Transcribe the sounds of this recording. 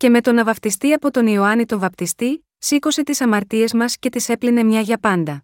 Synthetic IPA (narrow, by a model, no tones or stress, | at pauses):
ce̞me̞t̪o̞nɐvɐft̪ist̪iɐpo̞t̪o̞nioɐnit̪o̞ɱvɐpt̪ist̪i | sikose̞t̪isɐmɐɾt̪ie̞zmɐsce̞t̪ise̞pline̞mɲɐʝɐpɐnd̪ɐ